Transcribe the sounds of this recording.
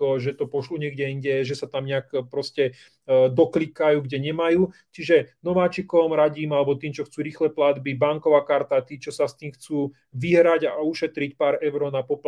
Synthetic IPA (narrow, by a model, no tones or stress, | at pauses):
ɔʒɛt̪ɔpɔʃluɲɛɡɟɛinɟɛʒɛsat̪amɲɛakpɾɔscɛ | d̪ɔklikajuːɡɟɛɲɛmajuː | t͡ʃiʒɛnɔʋaːt͡ʃikɔmɾaɟiːmalɛbɔt̪iːmt͡ʃɔxt͡suːɾiːxlɛplad̪bibaŋkɔʋaːkaɾt̪at̪iːt͡ʃɔsast̪iːmxt͡suː | ʋiɦɾaɟauʃɛt̪ɾic̚paːɾɛʊɾɔnapɔp